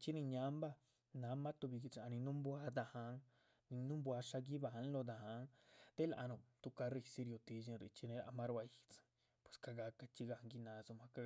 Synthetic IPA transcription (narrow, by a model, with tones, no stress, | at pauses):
t͡ʃi˦nĩ˧ɲã˦mba˦˧ | nã˨˦mã˦t̪u˧βi˧ɡi˧t͡ʃa˧a˧nĩ˧nũ˦mbwa˧d̪a˧hã˧˦ŋ | nĩ˧nũ˦mbwa˧ʃa˧ɡi˦βa˧ɦa˧n˦lo˧d̪a˧hã˧˦ŋt̪e˦la˧ʔa̰˧nõ˧t̪u˧ka˧ɾi˧si˧ɾo˧t̪i˧zĩ˧ɾi˧t͡ʃi˧nẽ˧˦la̰˧mã˦ɾa˧i˧t͡sɨ̥˧ | pwe̥˨ska˧ɡa˧ka˧t͡ʃi˧ɡa˧hŋɡi˧nã˨˧˦zu˧mã˧ka˧